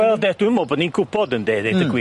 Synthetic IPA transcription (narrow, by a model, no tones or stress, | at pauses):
wɛlˠdɛd̥wɪmɔbɔdninkʰʊpʰɔdəndeːdedəɡwi